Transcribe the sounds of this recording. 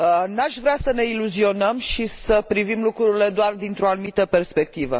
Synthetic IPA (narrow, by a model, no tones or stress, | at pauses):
ənaʃvɾeasəne̞iluzio̞nəmʃisəpɾivimlukɾuɾile̞d̪oard̪int̪ɾo̞anumit̪əpe̞rspe̞k̚t̪ivə̰